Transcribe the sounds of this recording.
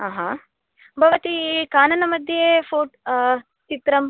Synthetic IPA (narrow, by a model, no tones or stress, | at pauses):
aːɦa | bʱɐʋɐt̪ikaːnɐnɐmɐd̪ʱjefʰoːʈ | t͡ʃit̪ɾɐm